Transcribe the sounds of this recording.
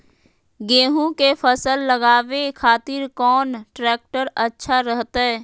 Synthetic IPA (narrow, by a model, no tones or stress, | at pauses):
ɡeːɦũkefʰəsəlːəɡaːʋekʰaːt̪ɪɾkɔːnʈɾɛːk̚ʈəɾɐtːʃʰaɾəɦt̪aɦɛː